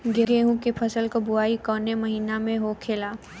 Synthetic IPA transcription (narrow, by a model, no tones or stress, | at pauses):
ɡeɡeɦũkepʰəsəlkobʊaːikɔːnemɐɦiːnamẽɦokʰeːlaː